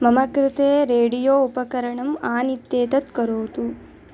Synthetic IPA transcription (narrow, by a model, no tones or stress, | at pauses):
mɐmɐkɾɪt̪eːɾeːɽijoːupɐkɐɾɐɳɐmaːnit̪ːeːt̪ɐt̪kɐɾoːt̪u